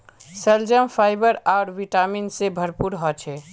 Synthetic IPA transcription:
səld͡ʒəmpʰaɪbəɾaʊɾʋiʈaminsebʱəɾpuɾɦɔt͡ʃʰɛ

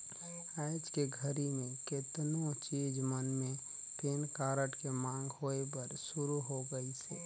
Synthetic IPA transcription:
ad͡ʒkeɡʱəɾimẽket̪not͡ʃid͡ʒmənme | t̪enkaɾəʈkemãŋɡɦoebəɾsuɾuɦoɡəisɛ

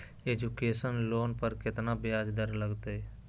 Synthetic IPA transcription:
ed͡ʒukeːsənloːnpəɾkɪt̪nabjaːd͡ʒd̪əɾləɡt̪ee

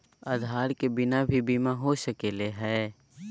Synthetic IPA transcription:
əd̪ʱaːɾkebɪnabʱibiːmaɦoʃəkeːleɦɛː

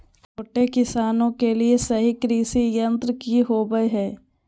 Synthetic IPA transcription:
t͡ʃʰoːʈekɪsaːnõkeliesɐɦikɾiːsijɐ̃nt̪ɾəkiɦoːbəeɦɛː

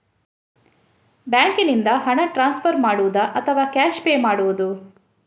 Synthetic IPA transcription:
bjaːŋkinind̪ɐɦɐɳɐʈɾaːnspʰɐɾmaːɽuʋud̪ɐʔɐt̪ʰɐʋaːkaːʃpeːmaːɽuʋud̪u

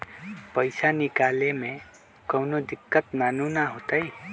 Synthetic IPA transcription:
pəjsanikalemẽ | kʌwnod̪ikːət̪manunaɦot̪əj

